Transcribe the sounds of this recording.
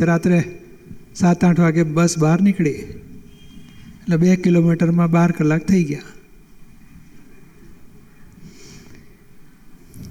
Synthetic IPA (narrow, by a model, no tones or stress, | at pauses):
ɾat̪ɾe | sat̪ãʈʰʋaɡebəsbaɾnikɭi | əʈlebekilomiʈəɾmãbaɾkəlːak̚t̪ʰəiɡja